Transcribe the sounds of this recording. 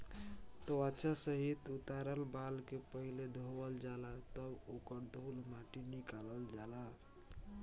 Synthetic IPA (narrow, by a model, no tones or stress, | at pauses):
t̪oat͡ʃʰasəɦit̪ut̪aɾəlbalkepəɦiled̪ʱowəld͡ʒalat̪əbokəɾd̪ʱulmaʈinikaləld͡ʒala